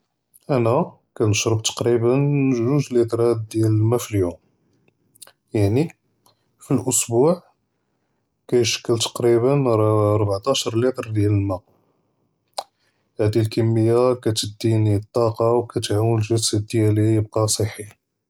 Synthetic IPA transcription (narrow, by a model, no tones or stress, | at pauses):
ʔænæ | kænəʃɾəb̚t̪ɑ̥qɾibənːʒuʒlit̪ɾæd̪̚d̪jælmæfiljum | jaʕni | filʔʊsbuʕ | kæjʃə̥kːəlt̪ɑ̥qɾibənɾɾˤbʕt̪ɑʃɾˤlit̪ˤɾd̪jæləlmæ | hæd̪ilkəmːəjːakæt̪əd̪ːinit̪ˤːɑqɑwkæt̪ʕawənəlʒəsæd̪jælijəb̚qɑsˤəħi